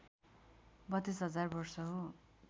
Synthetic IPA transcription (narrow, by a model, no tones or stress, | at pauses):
bʌt̪ːisɦʌd͡zarbʌrsʌɦo